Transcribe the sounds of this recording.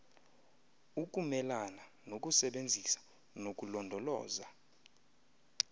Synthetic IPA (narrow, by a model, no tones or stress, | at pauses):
uk̬ʼumɛlana | nok̬ʼusɛɓend͡zʱisḁ | nok̬ʼulɔndʱɔlɔ̰ːza